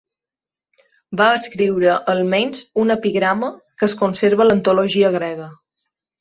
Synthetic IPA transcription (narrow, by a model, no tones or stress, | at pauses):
baəskɾiwɾəʔːlˠmɛɲʲzunəpiɣɾaməkəskunseɾβələnt̪uloʒiəɣ̞ɾɛɣə